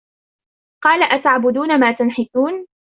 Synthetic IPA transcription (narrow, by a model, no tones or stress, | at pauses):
qɑːlaʔat̪ʕabʊd̪uːnamaːt̪anħɪθuːn